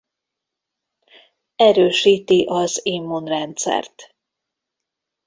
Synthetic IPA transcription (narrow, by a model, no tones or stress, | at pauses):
ɛɾøːʃiːt̪iʔɒzimːonrɛnt̪sɛ̰rt̪